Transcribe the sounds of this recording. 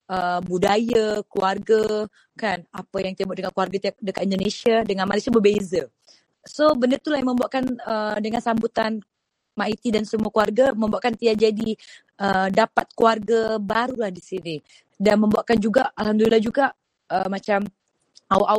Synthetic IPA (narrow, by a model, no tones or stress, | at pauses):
ʔəbudajakluarɡa | kanapəjaŋt̪iaʔbuaʔdəkakuarɡat̪iak̚dəkat̪indonesiadəŋanmalisabəbeza | sobəndərt̪ulahjaməmbuaʔkanədəŋansambut̪an | mait̪idansəmuakuarɡaməmbuaʔkant̪iak̚d͡ʒadi | ʔədapat̪̚kuarɡabaɾulahdisini | danməmbuaʔkand͡ʒuɡaʔalhamd̪ulilahd͡ʒuɡaʔ | əmat͡ʃam | awaʔa